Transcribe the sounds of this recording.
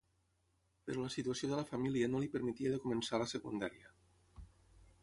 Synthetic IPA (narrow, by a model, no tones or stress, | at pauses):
pəɾoləsit̪uasioðələfamiliənolipəɾmit̪iəðəkumənsaləsəkṵnd̪aɾiə